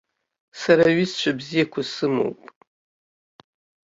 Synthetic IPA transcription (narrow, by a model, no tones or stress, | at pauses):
saɾaɥist͡ʃʷʰabzijakʷʰasɨmo̰wpʼ